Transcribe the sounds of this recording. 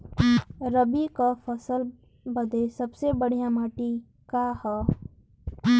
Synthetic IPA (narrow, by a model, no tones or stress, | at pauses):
ɾəbikapʰəsəl | bəd̪esəbsebəɽ̤ijamaːʈi | kahɛ